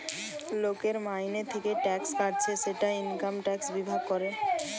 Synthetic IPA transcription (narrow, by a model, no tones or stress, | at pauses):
lokeɾmajnet̪ʰekeʈɛkskaʈ̚t͡ɕʰeʃeʈainkamʈɛksbibʱaɡ̚koɾe